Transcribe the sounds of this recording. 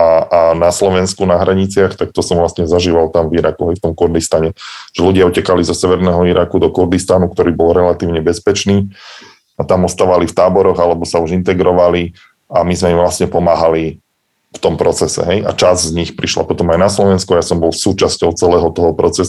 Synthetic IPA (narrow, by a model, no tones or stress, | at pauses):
aanaslɔʋɛnskunaɦɾaɲit͡sɪaxt̪ak̚t̪ɔsɔmʋlasɲɛzaʒiːʋalt̪amviɾakuɦɛjft̪ɔmkuɾd̪ist̪aɲɛʒ̥ɛluɟɪaucɛkalizɔsɛʋɛɾnɛːɦɔiɾakud̪ɔkuɾd̪ist̪anuk̚t̪ɔɾiːbɔlɾɛlat̪iːʊɲɛbɛspɛt͡ʃniː | at̪amɔst̪aːʋalift̪aːbɔɾɔɣalɛbɔsauʒint̪ɛɡɾɔʋali | amizmɛimʋlasɲɛpɔmaːɦali | ft̪ɔmpɾɔt͡sɛsɛ̰ɦɛja̰t͡ʃazzɲixpɾiʃla̰pɔt̪ɔmajnaslɔʋɛnskuajasɔmbɔlsuːt͡ʃascɔʊt͡sɛlɛːɦɔt̪ɔɦɔpɾɔt͡sɛs